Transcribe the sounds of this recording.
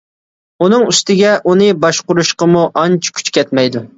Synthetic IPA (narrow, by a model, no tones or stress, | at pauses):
un̪ɨŋyst̪ɪɡʲɛʔunɨbɑʃqʊɾuʃqəmuʔɑnt͡ʃʰkʲʰy̥t͡ʃkʲɛt̪mɛjd̪u